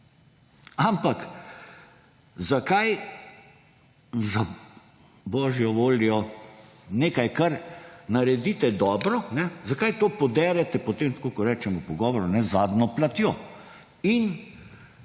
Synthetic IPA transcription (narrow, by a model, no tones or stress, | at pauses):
ampak | zakaj | za | bɔːʒjɔʋoːljɔ | neːkajkaɾnaɾɛd̪iːt̪ɛd̪ɔːbɾɔnɛzakajt̪oːpɔd̪ɛːɾɛt̪ɛpɔt̪emt̪koːkɔɾɛːt͡ʃɛmɔpɔɡɔːʋɔɾunɛzaːd̪nɔplat̪jo | in